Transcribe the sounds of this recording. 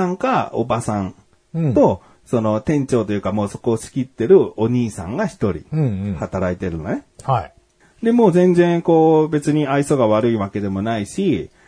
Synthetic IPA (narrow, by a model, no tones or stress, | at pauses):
ãŋkao̰basãn | t̪o̞ | so̞no̞t̪ẽ̞ɲ̟t͡ɕo̞ːt̪o̞jɯ̟kamo̞ːso̞ko̞ːɕi̥kʲit̪ːe̞ɾɯ̟o̞ɲ̟iːsã̰ŋɡaçi̥t̪o̞ɾʲḭ̃hat̪aɾait̪e̞ɾɯ̟no̰ne̞hai | d̪e̞mo̞ːzẽ̞nd͡zẽ̞ŋko̞ːbe̞t͡sɨɲ̟iaiso̞ɡaβaɾɯ̟iβake̞d̪e̞mo̞naiɕi